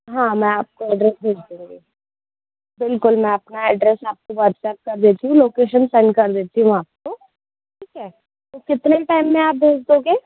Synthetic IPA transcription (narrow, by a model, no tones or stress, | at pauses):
ɦãːmɛ̃aːp̚koɛːɖɾɛsbʱeːd͡ʒd̪ũːŋɡeː | bɪlkʊlmɛ̃ɐpnaɛːɖɾɛsaːp̚koʋɐɾt̪sɛp̚kɐɾd̪eːt̪iɦũloːkeːʃənsɛ̃ɳɖkɐɾd̪eːt̪iɦũaːp̚ko | ʈʰiːkɦɛː | t̪okɪt̪neʈaːɪmːẽaːp̚bʱeːd͡ʒd̪oːɡeː